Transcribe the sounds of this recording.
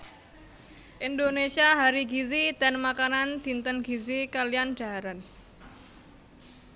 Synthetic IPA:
ʔindonesiaɦaɾiɡizid̪̥a̤nmakanand̪̥i̤nt̪ənɡizikalijand͡ʒ̥a̤ɦaɾan

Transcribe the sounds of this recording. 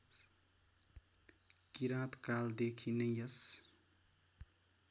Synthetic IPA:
kiɾãt̪kald̪ekʰinʌjjʌs

